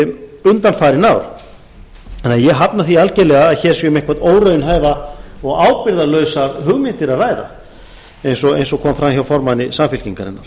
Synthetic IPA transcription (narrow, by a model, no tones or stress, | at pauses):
ʏnt̪anfaːɾɪnawɾ̥ | ɛnajɛɣɦapnaθialcɛlɛɣaːðçɛːɾ̥sʏmehkvat̪oːwɾœɥjʏnɦaːjvaɔɣaːwpɪɾðalœɥsaɾhʏɣmɪnt̪ɪɾaðraːjða̰ | ejnsɔɣḛjnsɔkʰɔːmfɾamçawfɔɾmanːɪsamfɪl̥ciŋkaɾɪ̰nːa̰ɾ̥